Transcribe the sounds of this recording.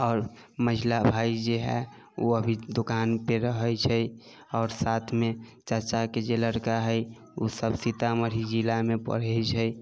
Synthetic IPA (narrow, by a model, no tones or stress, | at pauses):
ɔːɾ | məɦilabʱaid͡ʒeɦɛ̰ | oəbʱid̪okanpeɾəɦəjt͡ʃʰəj | ɔːɾsat̪ʰmet͡ʃəɾt͡ʃaked͡ʒeləɾkaɦəj | usəbsit̪aməɾ̤id͡ʒilamepə̰ɽ̤ɛt͡ʃʰəj